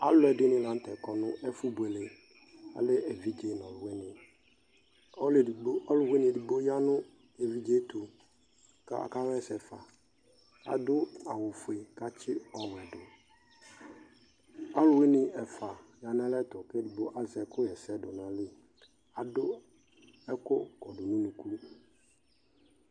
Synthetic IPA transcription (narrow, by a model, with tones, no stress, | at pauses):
a˨lʊ˦ɛ˨dɪ˦nɪ̃˦lã˨˦n̩˦tɛ˨kɔ˨nʊ̃˦ʔɛ˦fu˦bu˨e˨le˨ | a̰˨lɪ˦ɛ˨vi˦d͡ʒe˦nɔ̃˨lʊ˨we˦nɪ̃˨˦ | li˨ɡ͡bo˦ɔ˦lʊ˨we˦nɪ̃˨di˨ɡ͡bo˦ja˦nʊ̃˦ | e˨vi˦d͡ʒe˦to˨ | ka̰˦˨ka˦wɛ˦sɛ˨fa̰˨ | a̰˨dʊ˦a˨wʊ˨fʊ˨e˨ka˦t͡ʃʰɪ˦ɔ˨m˨ɛ˨dʊ˨ | a˦lʊ˨we˦nɪ˨ɛ˨fa˨ja˨n˦ã˦lɛ˦tʊ˨kɛ˦di˨bo˦ʔa˨zɛ˨kʰʊ˦jɛ˨sɛ˦dʊ˨nã˨lɪ˦ | a˨dʊ˦ | ɛ˦kʊ˦kɔ˨dʊ˨nʊ̃˦nũ˨ku˦